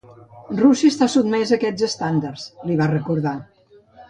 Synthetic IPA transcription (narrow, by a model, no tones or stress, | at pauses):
rusiəst̪asud̪mɛzəkɛd͡zəst̪and̪aɾsliβ̞arəkuɾða